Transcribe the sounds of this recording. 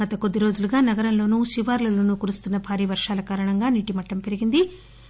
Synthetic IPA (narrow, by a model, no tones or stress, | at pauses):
ɐt̪ɐkod̪ːiɾo̞ːd͡ʒuluɡaːnɐɡɐɾɐmlo̞ːnuːʃiʋaːɾlɐlo̞ːnuːkuɾust̪unːɐbʱaːɾiːʋɐɾʂaːlɐkaːɾɐɳɐŋɡaːniːʈimɐʈːɐmpe̞ɾiɡind̪i